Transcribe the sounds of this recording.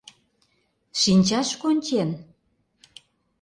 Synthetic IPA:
ʃinʲt͡ɕɑʃkonʲt͡ɕen

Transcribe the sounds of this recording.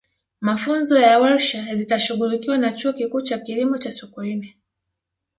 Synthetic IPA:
mafunzɔjawaɾʃazitaʃuɣulikiwanat͡ʃuɔkikuːt͡ʃakilimɔt͡ʃasukuinɛ

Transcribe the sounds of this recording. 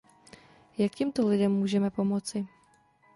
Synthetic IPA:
jakcɛmt̪olɪdɛmːuːʒɛmɛpo̞mo̞t͡sɪ

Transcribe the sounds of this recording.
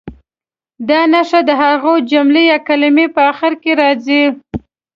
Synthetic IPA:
d̪ɑnaʂad̪əɦaɣod͡ʒʊmlejɑkalɪmepəaxɪɾkeɾɑzi

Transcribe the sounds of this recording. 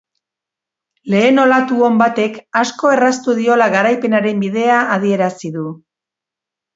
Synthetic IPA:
le̞ːno̞lat̪uo̞mbat̪e̞kasko̞e̞rast̪uðio̞laɣaɾajpe̞naɾe̞mbið̞e̞aːð̞ie̞ɾasiðu

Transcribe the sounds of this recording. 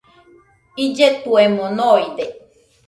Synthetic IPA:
id͡ʒet̪uemonoid̪e

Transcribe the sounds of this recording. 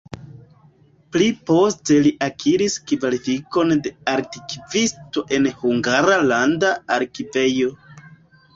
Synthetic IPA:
plipo̞ste̞liʔakʰiɾiskivalifiko̞nde̞aɾtikivisto̞ʔe̞nhuŋɡaɾalandaaɾkive̞jo̞

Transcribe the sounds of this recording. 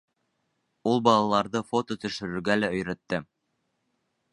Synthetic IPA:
ulˠbɑlˠɑlˠɑɾðɤfo̞t̪ot̪ɵ̆ʃɵ̆ɾɵ̆ɾɡælæɵ̆jɾæt̪ːɘ

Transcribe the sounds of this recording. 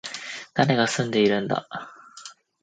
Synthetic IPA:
d̪̥aɾe̞ɡasɨ̃nd̪e̞iɾɯ̟̃nd̪a̰

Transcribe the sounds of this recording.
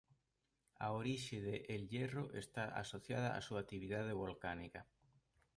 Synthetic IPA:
a̰oɾiʃɪðeʔelʎeroʔest̪aʔa̰soθjað̞aa̰suat̪iβiðað̞eβolkanikɐ

